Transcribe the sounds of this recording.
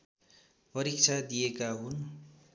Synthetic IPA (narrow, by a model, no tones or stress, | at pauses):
pʌɾik̚t͡sʰad̪ijekaɦun